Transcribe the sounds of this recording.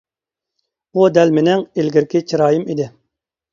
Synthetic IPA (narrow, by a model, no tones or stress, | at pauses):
ud̪ɛlmɪnɛŋelɡʲiɾkʲɪt͡ʃʰiɾɑːjimid̪ɪ